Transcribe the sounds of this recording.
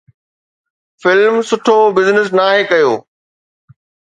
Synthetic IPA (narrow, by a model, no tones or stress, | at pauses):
fɪlmsʊʈʰobɪznɪs̬naːɦekɐjoː